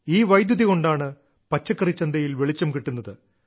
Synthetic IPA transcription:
iːʋɐjd̪juðiɣo̞ɳɖaːɳɨ | pɐt͡ɕːɐkːɐrit͡ɕːɐnd̪ɐjilʋeɭit͡ɕːɐmkiʈːunːɐðɨ

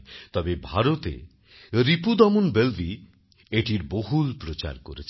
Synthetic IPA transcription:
t̪ɔbebʱaɾot̪ḛ | ɾipud̪ɔmunbelbi | eʈiɾboɦulpɾot͡ɕa̰ɾkoɾet͡ɕʰ

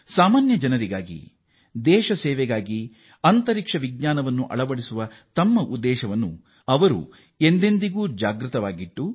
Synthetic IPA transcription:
saːmaːnjɐd͡ʒɐnɐɾiɡaːɡḭ | d̪ɛːʃɐsɛːʋɛɡaːɡi | ɐnt̪ɐɾikʂɐʋiɡɲaːnɐʋɐnːuʔɐ̰ɭɐʋɐɽisuʋɐ | t̪ɐmːɐʔud̪ːɛːʃɐʋɐnːṵ | ɐʋɐɾṵ | e̞nd̪e̞nd̪iɡuːd͡ʒaːɡɾɨt̪ɐʋaːɡiʈːu

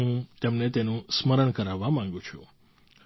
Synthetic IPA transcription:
ɦũt̪emnet̪enũsməɾəɳkəɾaʋːamãŋ̆ɡũt͡ʃʰu

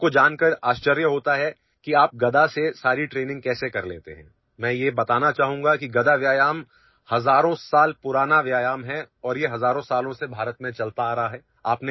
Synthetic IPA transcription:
kod͡ʒaːnkəɾaːʃt͡ʃəɾjəɦoːt̪aɦɛ | kiaːp̚ɡɐd̪asesaːɾiʈɾeːnɪ̃ŋɡ̚kɛːsekɐɾlḛːt̪ḛɦɛ̃ː | mɛ̃ːjebɐt̪aːnat͡ʃaːɦũŋɡakiɡɐd̪aʋjaːjaːm | hɐzaːɾõsaːlpʊɾaːnaʋjaːjaːmɦɛ | ɔːɾjeɦɐzaːɾõsaːlõsebʱaːɾət̪mẽt͡ʃɐlt̪aːɾɐɦaɦɛː | aːpne

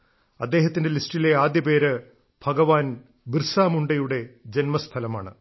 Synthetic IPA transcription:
ɐd̪ːe̞ːɦɐt̪ːinde̞listileaːd̪jɐbe̞ːɾɨ | bʱɐɡɐʋaːn | birsaːmuɳɖɐjuɽe̞d͡ʑenmɐst̪ʰɐlɐmaːɳɨ̰

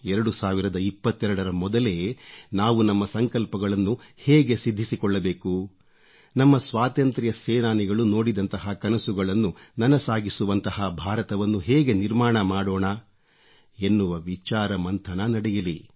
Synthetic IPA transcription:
ɛɾɐɽusaːʋiɾɐd̪ɐipːɐt̪ːɛɾɐɽɐɾɐmɔd̪ɐle̞naːʋunɐmːɐsɐŋkɐlpɐɡɐɭɐnːuhɛːɡe̞sid̪ʱːisikɔɭːɐbeːku | nɐmːɐsʋaːt̪ɐnt̪ɾijɐsɛːnaːniɡɐɭuno̞ːɽid̪ɐnt̪ɐɦɐkɐnɐsuɡɐɭɐnːunɐnɐsaːɡisuʋɐnt̪ɐhɐbʱaːɾɐt̪ɐʋɐnːuɦeːɡe̞niɾmaːɳɐmaːɽoːɳɐ | e̞nːuʋɐʋit͡ʃaːɾɐmɐnt̪ʰɐnɐnɐɽejili

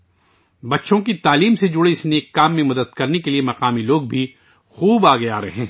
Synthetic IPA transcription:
bɐtːʃõkit̪aːliːmsed͡ʒʊɽeɪsneːkːaːmːẽmɐd̪əd̪̚kɐɾnekeliemɐqaːmiloːɡ̚bʱi | xuːbaːɡɐeaːɾɐɦɛ̃ː

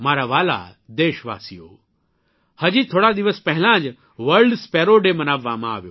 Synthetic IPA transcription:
maːɾaʋaːla̰d̪eːʃʋa̰ːsijo̰ː | hɐd͡ʑit̪ʰoːɽad̪iʋəspɐɦɪlãːd͡ʒ | ʋəɾɖspɛːɾoɖemɐnaːʋːãmãːʋjoː

